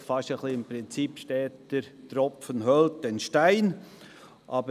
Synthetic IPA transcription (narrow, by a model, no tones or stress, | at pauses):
fɑʃəχliɪmpɾɪnt͡sipʃtɛːt̚d̥ɪɾtɾɔpfənɦœlt̚dɛnʃtaɪn | ʔɑbə